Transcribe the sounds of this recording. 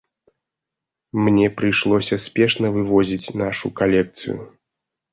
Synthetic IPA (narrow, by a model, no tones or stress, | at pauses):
mnʲɛpɾɨjʂlˠɔsʲɐsʲpʲɛʂnɐvɨvɔzʲit͡sʲnaʂukalʲɛk̚t̪sɨ̰jṵ